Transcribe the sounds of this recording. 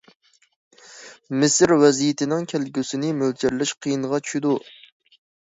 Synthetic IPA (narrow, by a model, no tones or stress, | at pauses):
mɪsɾwɛzijɪt̪ʰɪnɪŋkʲʰælɡʲysɪnɪmøld͡ʒɪɾlɪʃqʰijinʁɑt͡ʃʰy̥ʃid̪u